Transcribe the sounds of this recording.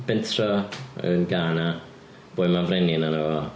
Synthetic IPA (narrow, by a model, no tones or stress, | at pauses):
b̥ɛntʰrɔə̰nɡaːna | b̥oːjmanvrɛninano